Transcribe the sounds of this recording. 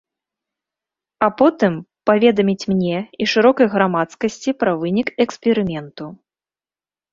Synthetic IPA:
ɐpɔt̪ɨmpavʲɛd̪ɐmʲit͡sʲmnʲɛiʂɨɾɔkɐjɣɾamat̪skɐsʲt͡sʲipɾɐvɨnʲikɛkspʲɛɾɨmʲɛnt̪u

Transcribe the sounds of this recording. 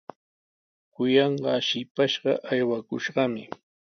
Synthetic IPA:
kʊjɑɴɢɑʃɪpaʃɢɑ̰ʔajwakʊʃɢɑmɪ

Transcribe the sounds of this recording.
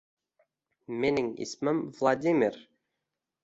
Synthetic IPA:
menɪŋḭsmɪmvlˠad̪ʲimʲɪɾ

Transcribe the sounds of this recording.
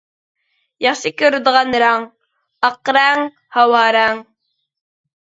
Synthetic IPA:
jɑχʃəkəɾd̪ʁɑnɾɑŋ | ɑqɾɑŋ | hɑwɑɾɑŋ

